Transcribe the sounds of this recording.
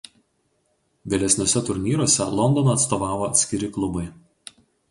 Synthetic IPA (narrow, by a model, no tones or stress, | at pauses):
ʋʲelʲɛsʲnʲoɔsʲɛt̪ʊɾʲnʲiːɾoːsʲɛlˠɔnd̪ɔnoːt̪st̪oːʋɑːʋoːɐt̪ʲsʲkʲɪɾʲɪklˠʊbɐɪ